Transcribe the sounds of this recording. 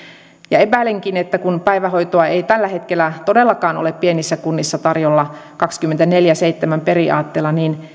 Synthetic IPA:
jɑepæˑleŋkinet̪ːækunpæijʋæhoijt̪oɑeit̪ælːæhe̞t̪kelːˑæt̪odelːɑkɑːno̰leppienisːækunːisːɑt̪ɑrjolːɑkɑkskymːent̪æneljæseit̪ːemæmperiɑ̰ːt̪ːeːlːɑniːn

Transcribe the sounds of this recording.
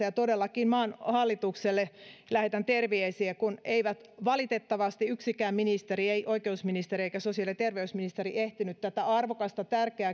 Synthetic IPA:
æjɑt̪odelːɑkinmɑːnhɑlːit̪ukselːelæhet̪ænt̪erʋeesiekuneiʋæt̪ʋɑlit̪et̪ːɑʋɑst̪iyksikæːmminist̪erieiʔoikeusminist̪erieikæsosiɑlit̪erʋeysminist̪eɾiʔeht̪inyt̪t̪æt̪æɑrʋokɑst̪ɑt̪ærkeæ

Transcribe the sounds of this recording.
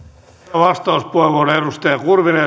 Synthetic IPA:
ʋɑst̪ɑuspueʋonedust̪eɑkurʋine

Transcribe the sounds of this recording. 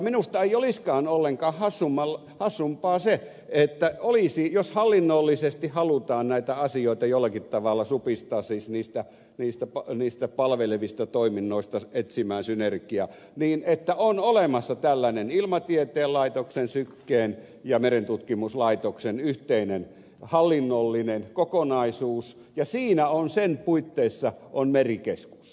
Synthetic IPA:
minust̪ɑeioliskɑːnolːeŋkɑːhhɑsːumːɑl | hɑsːumpɑːse | et̪ːæolisijoshɑlːinːolːisest̪ihhɑlut̪ɑːnnæit̪æɑsioˑit̪ɑjolːɑkit̪tɑʋɑlːɑsupist̪ɑːsisniːst̪æ | niːst̪æpɑniːst̪æpɑlʋeleʋist̪ɑt̪oiminːoist̪ɑet̪simˑæːnsynerkiæ | niːnet̪ːæonolemɑsːɑt̪ælːænenilmɑt̪iet̪eːlɑit̪oksensykːeːn | jɑmerent̪ut̪kimuslɑit̪oksenyht̪einen | hɑlːinːolːinenkokonɑisuːs | jɑsiːnæonsenpuit̪ːeisːɑʔonmerikesku̥s

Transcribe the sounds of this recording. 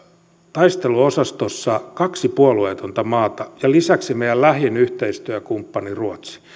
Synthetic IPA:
t̪ɑist̪eluosɑst̪osːɑkɑksipuolueːt̪ont̪ɑmɑːt̪ɑjɑlisæksimejællæhjenyht̪eist̪yækumpːɑniruot̪si̥

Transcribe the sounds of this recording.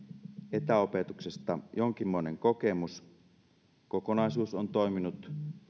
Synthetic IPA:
et̪æope̞t̪uksest̪ɑ̰joŋk̟imːo̞eneŋkoke̞mus | kokonɑisuːsont̪o̞jminut̪

